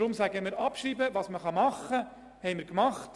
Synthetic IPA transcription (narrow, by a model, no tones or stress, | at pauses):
ɾʊmsæɡəmɪːɾɑpʃɾiːbəʋɑːsməχɑmɑχːə | hɛɪmɪːɾkmɑχt